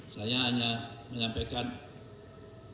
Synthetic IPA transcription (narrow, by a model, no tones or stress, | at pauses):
sajaɦaɲaməɲampekan